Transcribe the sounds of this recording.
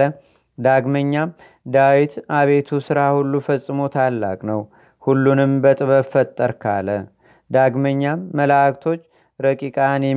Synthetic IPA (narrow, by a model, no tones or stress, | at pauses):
ə | d̪aɡməɲːa | d̪awit̪aβe̞t̪ʰusɨɾahulːufəsʼːɨmo̞t̪ʰalːa̰kʼnəw | hulːunɨmbət̪ʼɨβəfət̪ʼːəɾkʰa̰lə | d̪aɡməɲːaːəlkt̪ʰo̞t͡ʃː | ɾəkʼikʼanjɛ